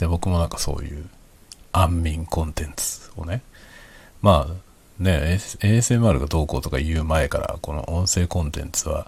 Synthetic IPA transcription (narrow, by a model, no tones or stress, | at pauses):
d̪̥ebo̞kɯ̟mo̞nãŋkḁso̞̰ːjɯ̟̰ː | ãmːʲĩŋkõ̞nt̪ẽ̞nt͡sɨ̥o̞̰ne̞ | maː | ne̞eːsemɯ̟aɾɯ̟ɡad̪o̞ːko̞ːt̪o̞kajɯ̟ːmae̞kaɾa̰ko̞no̞̰ʔõ̞ɰ̃se̞ːkõ̞nt̪ẽ̞̰nt͡sɨβa̰